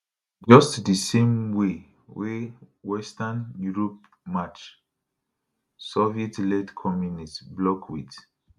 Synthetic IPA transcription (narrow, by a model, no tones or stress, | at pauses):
d͡ʒɔstdisẽmwe | wewɛstanjuɹɔp̚ | mat͡ʃ | sɔvietlɛdkʰɔmjunistblɔkwḭt